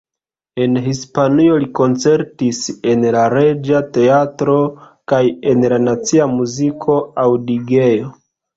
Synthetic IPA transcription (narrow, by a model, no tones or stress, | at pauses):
e̞nɦispanio̞liko̞nt͡se̞ɾtise̞nlaɾe̞d͡ʒate̞atɾo̞ | kaje̞nlanat͡siamuzikʰo̞awdiɡe̞jo